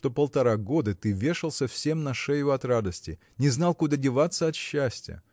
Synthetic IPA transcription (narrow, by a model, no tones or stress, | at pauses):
t̪opəlˠt̪ɐɾaɡo̞d̪ɨt̪ɨvʲe̞ʂɨlˠsʲɐfsʲe̞mnɐʂɛjʊɐt̪ɾad̪əsʲtʲɪ | nʲɪznɑlˠkud̪adʲɪvat̪sːəɐt̪ɕːæsʲtʲɪjə̰